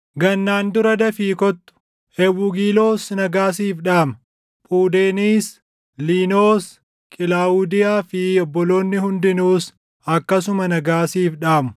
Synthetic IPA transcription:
ɡɐnːaːnd̪ʊɾɐd̪ɐfiːkɔt̪ːʊ̥ | hɛwːʊɡiːlo̞ːsnɐɡaːs̬iːfᶑaːmɐ | pʼuːd̪e̞ːniːs | liːnoːs | kʼɪlaːwʊd̪ɪjaːfɪɔbːɔlo̞ːnːɪhʊnd̪ɪnuːs | ɐkːɐsʊmɐnɐɡaːsiːfᶑaːmʊ̥

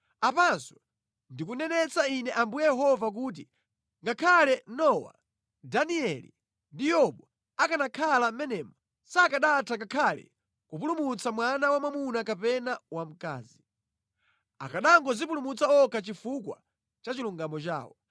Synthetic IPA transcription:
apansɔ̥ | ndikunɛnɛt͡sainɛʔambujɛjɛɦɔvak̬uːt̬i | ŋɡakʰalɛnɔwa̰ | daniɛlḭ | ndijɔɓɔ | akanakʰalammɛnɛːmɔ | sakaɗatʰakakʰalɛ̰ | kup̬ulumut͡samwanawamamunakapɛnawam̩ka̰ːzi | a̰kaɗaŋɡɔzip̬ulumut͡saɔkat͡ʃifukwa | t͡ʃat͡ʃiluŋɡamɔt͡ʃa̰ːwɔ

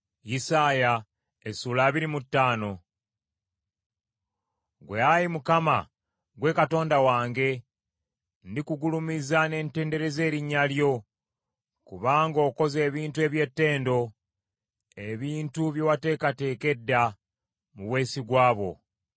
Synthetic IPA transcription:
jisaːja | esuːlaːβiɾimutːaːno̞ | ɡweajimukama | ɡwe̞kato̞ːndawaːŋɡe̞ | ndikuɡulumizane̞ːnte̞ːnde̞ɾe̞ze̞ːɾiɲːaljo̞ | kuβaːŋɡo̞ːko̞ze̞ːβiːntue̞ːβje̞tːe̞ːndo̞ | e̞βiːntuβjowate̞ːkate̞ːke̞dːa | muβwe̞ːsiɡwaːβo̞̰

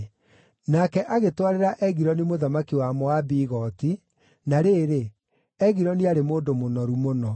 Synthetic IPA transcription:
nakɛʔaɣetwaɾeɾaʔɛɣiɾɔnimoðamakiwamɔabiɣɔti | naɾeːɾe | ɛɣiɾɔniaɾemoːndomonɔɾumonɔ

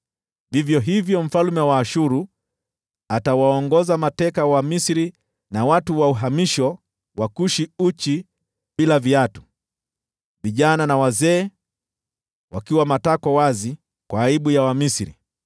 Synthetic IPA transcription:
vivjɔɦivjɔɱ̩falmɛwaːʃuɾu | atawaɔŋɡɔzamatɛkawamisiɾi | nawatuwauɦamiʃɔ | wakuʃiut͡ʃi | ɓilaviatu̥ | viʄananawazɛː | wakiwamatakɔwazi | kwaːiɓujawamisiɾḭ

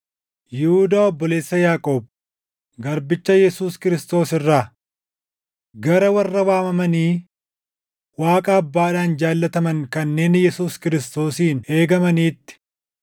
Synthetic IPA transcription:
jɪhuːd̪aːɔbːɔle̞ːsːɐjaːkʼo̞ːb̚ | ɡɐɾbɪt͡ʃːɐjɛsuːskɪɾɪst̪o̞ːsɪrːaː | ɡɐɾɐwɐrːɐwaːmɐmɐniː | waːkʼaːɐbːaːd̪aːnd͡ʒaːlːɐt̪ɐmɐŋkɐnːe̞ːnjɛsuːskɪɾɪst̪o̞ːsiːne̞ːɡɐmɐniːt̪ːɪ̥

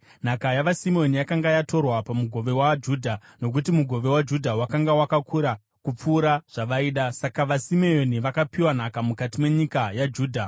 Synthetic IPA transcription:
n̤akajaʋasimeo̞nijakaŋɡajato̞rwapamuɡʱo̞ʋe̞wad͡ʒuːdʱano̞k̬utimuɡʱo̞ʋe̞wad͡ʒudʱawakaŋɡawakakuɾa | kup͡fuːɾaʐ̥aʋaiːɗasakaʋasimeoniʋakapiwan̤akamukatime̞ɲikajad͡ʒuːdʱa

